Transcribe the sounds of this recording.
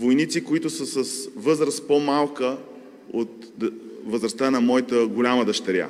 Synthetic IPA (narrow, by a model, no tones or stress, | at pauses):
vojnit̪sikoit̪ʊsəsəsvɤzɾəst̪pomalˠkə | ot̪̚ | vəzɾɐst̪anɐmɔjit̪əɡolʲaməd̪əʃt̪ɛɾʲja̰